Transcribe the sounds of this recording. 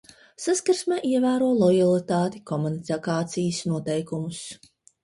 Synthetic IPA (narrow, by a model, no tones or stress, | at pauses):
saskaɾsmɛːʔiɛvæːɾuɔlˠɔjalˠit̪aːt̪ikɔmunit̪akaːt̪sijsnuɔt̪ɛjkumus